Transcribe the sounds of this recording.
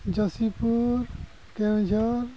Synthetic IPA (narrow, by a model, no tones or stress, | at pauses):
d͡ʒʌsipuɾ | kẽd͡ʒɔɾ